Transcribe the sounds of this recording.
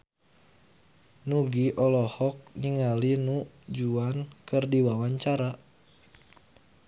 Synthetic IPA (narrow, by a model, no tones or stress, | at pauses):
nuɡiʔɔlɔhɔk̚niŋalinu | d͡ʒuankɨrdiwawaɲt͡ʃaɾa